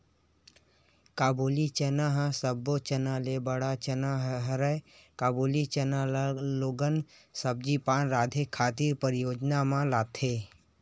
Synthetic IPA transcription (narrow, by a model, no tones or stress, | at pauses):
kaːbuːlit͡ʃɐnaɦəsəbot͡ʃɐnaːlebəɽat͡ʃɐnaɦɦɐɾəekaːbuːlit͡ʃɐnaloːɡən | sɐb̚d͡ʒipaːnɾaːd̪ʱekʰːaːt̪iːɾpəɾɪjoːd͡ʒnamãlaːt̪ʰeː